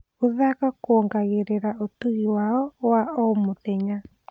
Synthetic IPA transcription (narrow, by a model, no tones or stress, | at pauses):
oðakakoːŋɡaɣeɾeɾaʔotuɣiwaɔwaomotɛɲa